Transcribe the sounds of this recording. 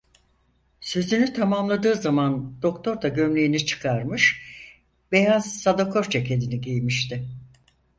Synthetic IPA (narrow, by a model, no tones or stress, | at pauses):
sø̞zynyt̪ʰamamlˠad̪ɯːzamand̪̥o̞kt̪ʰo̞ɾd̪aɟø̞mlʲejinit͡ʃʰɯ̥kʰaɾmɯʃ | b̥e̞jaz̥sad̪okʰo̞ɾt͡ʃʰecʰed̪iniɟejmiʃt̪ʰɪ